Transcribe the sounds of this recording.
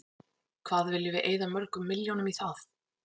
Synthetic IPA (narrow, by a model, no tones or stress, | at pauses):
kʰvaːðvɪlːɪvɪʔeːjðamœɾkʏmːɪljownʏmiθaθ